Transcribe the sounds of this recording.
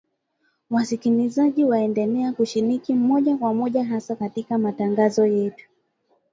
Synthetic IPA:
wasikilizaʄiwaɛndɛlɛakuʃinikim̩mɔʄakwamɔʄaɦasakatikamataŋɡazɔjɛtu̥

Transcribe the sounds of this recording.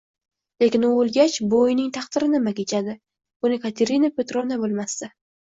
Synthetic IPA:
le̞kʲɪnʊolˠɡʲat͡ʃbojnɪŋt̪ʰɑχt̪ɪɾɪnɪmakʲet͡ʃʰad̪ɪ | bʊnɪkʰat̪ʰe̞ɾinapʲe̞t̪ɾonabolˠmast̪a

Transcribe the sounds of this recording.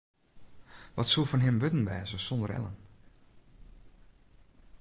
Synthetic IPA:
ʋɔtsuəfɔnɦɪmʋøtn̩ʋɛ̰ːzəsɔndərɛ̰lə̰n

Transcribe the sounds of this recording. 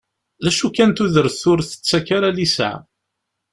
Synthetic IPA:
læʃukænt̪uðəɾθʊɾθə̥t͡sːækaɾalisə̰ʕ

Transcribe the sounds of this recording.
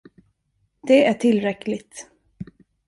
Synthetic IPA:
d̪̥ɛæʈʰɪlɾɛklɪt̪

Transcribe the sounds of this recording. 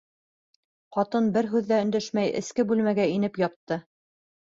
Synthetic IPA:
qɑt̪ɤnbɘɾɦʉðːæɵ̆nd̪æʃmæjɘ̰̆skɘbʉlmæɡæinɘpjɑt̪ːɤ

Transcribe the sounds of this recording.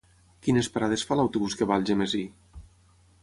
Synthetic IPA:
kinespeɾað̞esfalawt̪uβuskeβalˠʒemezi

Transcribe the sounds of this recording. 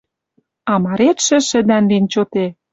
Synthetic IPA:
ɑmɑɾet̪ʃɘ̆ʃɘ̆d̪ænlint͡ɕot̪e

